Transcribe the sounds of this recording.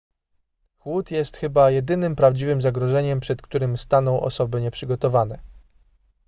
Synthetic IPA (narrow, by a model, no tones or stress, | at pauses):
xwut̪jɛst̪xɘbajɛd̪ɘnɘmpɾavd͡ʑivɘmzaɡɾɔʐɛɲɛmpʂɛt̪kt̪uɾɘmst̪anɔ̃w̃ʔɔ̰sɔbɘɲɛpʂɘɡɔt̪ɔvanɛ